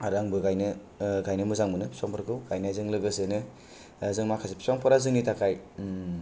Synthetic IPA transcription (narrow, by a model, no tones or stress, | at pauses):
aɾaŋbɯɡajnɯ | ɡajnɯmɯzaŋmɯnɯpi̥sɔŋpʰɔɾkʰɯwɡ̥ajnazɯŋlɯɡɯsenɯ | zɯŋmakʰasepʰi̥sɔŋpʰɔɾazɯŋnitakʰaj